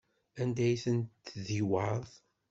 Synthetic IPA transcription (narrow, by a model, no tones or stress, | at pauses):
ænd̪æjθənt̪ðiwɑðˤ